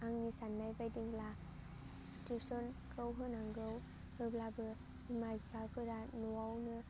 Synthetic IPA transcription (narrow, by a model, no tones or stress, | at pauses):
aŋnisanːajbajdiŋla | tesɔnkʰɯwɦɯnaŋɡɯw | hɯblabɯ | imajbabɯɾanuwawnɯ